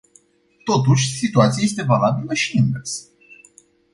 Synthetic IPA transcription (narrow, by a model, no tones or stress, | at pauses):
t̪o̞t̪̬uʃʲsit̪uat̪sijaje̞s̬t̪e̞valabiləʃiɨŋɡəs